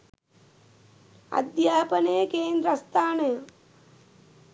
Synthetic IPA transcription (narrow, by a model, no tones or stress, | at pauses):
ɐ̰d̪jaːpɐnejɐkeːnd̪ɾɐst̪ʰaːnɐjɐ